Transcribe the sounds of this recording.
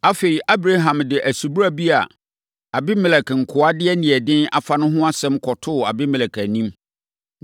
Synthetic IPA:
a˦fe˨i˨ʔa˦bɾa˦ɦã˨mdɪ˨ʔæ˨su˨bu˦ɾa˦bi˦a˨ | a˨bɪ˦mɛ̃˨lɛ˨kŋ̩˨kʰʊ˨˦a˦dɪ˦ɛ˦nĩ˨ɛ˨dɪ̃˦na̰˨fa˨nʊ̃˦ɦʊ̃˦a˦sɛ̃˦mkʰɔ˨tʰʊ˦˨a˨bɪ˦mɛ̃˨ɛ˨kʰæ˨nĩ˦m

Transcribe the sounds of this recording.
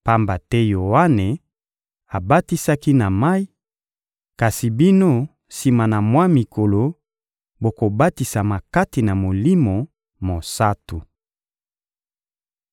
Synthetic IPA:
pa˦mba˨tɛ˦jo˨a˦ne˨ | a˨ba˦ti˦sa˦ki˦na˨ma˦i˦ | ka˨si˨bi˦no˦ | si˨ma˨na˨mwa˦mi˨ko˨lo˨ | bo˨ko˨ba˦ti˨sa˨ma˨ka˦ti˨na˨mo˨li˦mo˨ | mo˨sa˦tu˨

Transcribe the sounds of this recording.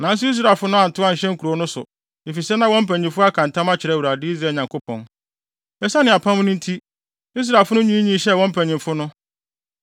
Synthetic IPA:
nã˨˦n˦s̬ʊ˦i˦s̬ɾa˨lfʊ˦nʊ̃˦a˨n̩˨tʊ˦ã˦ɲ̩˨ɕɛ̃˦ŋ̩˦kʰu˨ɾo˨˦nʊ̃˦sʊ̰˨ | e˨fi˨sɛ˦nã˦wɔ̃˦m̩˦pʰæ̃˨ɲ˨ĩ˨fʊ˦a˦kʰã˨ntʰã˦ma˦t͡ɕʰɪ˨ɾɛ˦˨wu˨ɾa˨dɪ˦i˦zɾa˨ɲã˨ŋkʰo˦pʰɔ̰̃˨n | ɛ˦sa˦nɪ̃˨a˨pʰã˦m˦nʊ̃˦n̩˦tʰi˦ | i˦s̬ɾa˨fʊ˦nʊ̃˦ɲĩ˦ɲĩ˦ɕɛ˦˨wɔ̃˦m̩˦pʰæ̃˨ɲɪ̃˨mfʊ˦nʊ̃˦

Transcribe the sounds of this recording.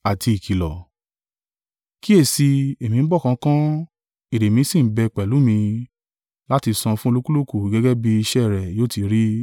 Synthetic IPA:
a˨tʰi˧i˨kʰi˨lɔ˨ | ki˦e˦˨si˧e˨mĩ˨˧n̩˦bɔ˦˨kã˨˧˦kã˦ | i˨ɾe˨mĩ˧˦sĩ˦˨m̩˦bɛ˧˨k͡pɛ˨lu˨˦mĩ˧ | la˦ti˧sɔ̃˧fũ˦o˧lu˦ku˦lo˦ku˨ɡɛ˦ɡɛ˦bi˧i˧ʃɛ˦˨ɾɛ˨joː˦˨ti˧ɾi˦

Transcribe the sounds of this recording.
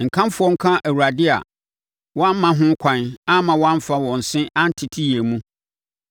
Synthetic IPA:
ŋ̩˨kʰã˦m˦fʊ˦ɔ˦ŋ̩˦kʰã˦ʔæ˨wu˨ɾa˨dɪ˦a̰˨ | wɔ˦ã˦m̩˦mã˨ɦʊ̃˦kʷʰã˨na˦mã˨wɔ˦ã˦m˦fa˦wɔ̃˨n̩˨sɪ̃˦a˦n̩˦tʰɪ˨tʰi˦je˨mũ˦

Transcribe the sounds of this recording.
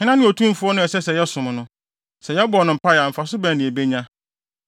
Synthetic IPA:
hɪ̃˦nã˦nɪ̃˦o˨tʰũ˦m˦fʊ˦ɔ˦nʊ̃˦ɛ˨sɛ˦sɛ˨jɛ˦sʊ̃˨m˨nʊ̃˦ | sɛ˨jɛ˦bɔ˨nʊ̃˨m̩˨pʰa˦ja˨m̩˨fa˨sʊ˦bæ̃˨nɪ̃˨e˨be˦ɲã˦

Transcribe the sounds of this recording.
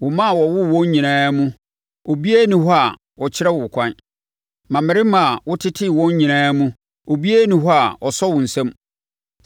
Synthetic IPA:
wʊ˨mã˦˨wɔ˨wʊ˦wɔ̃˦ɲɲĩ˨nãː˦mũ˦ | o˨bi˦e˦nɪ̃˦hɔ˦a˨ | wɔ˨t͡ɕʰɪ˦ɾɛ˦wʊ˨kʷʰã˦n | mã˨mɪ˨ɾɪ˦mã˨wʊ˦tʰɪ˦tʰɪ˦˨wɔ̃˦ɲɲĩ˨nãː˦mũ˦ | o˨bi˦e˦nɪ̃˨ɦɔ˦a˨ʔɔ˨sɔ˦wʊ̃˨n̩˨sã˦m

